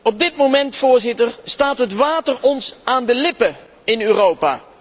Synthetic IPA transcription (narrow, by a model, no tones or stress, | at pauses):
ɔb̚dɪtmowmɛntfʊːɹzɪtəɹstaːtɦətʋaːtərɔnsaːndəlɪpə | ɪnyːrowpa̰ː